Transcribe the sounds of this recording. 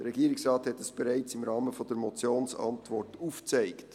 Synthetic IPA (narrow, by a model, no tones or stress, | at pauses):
d̥əɾːɛɡiːɾɪksrɑːthɛtəsb̥ɛɾæɪt͡sɪmɾɑːməfɔd̥̪əɾmɔt͡sjoːnsɑ̰ntvɔrtuft͡sæɪkt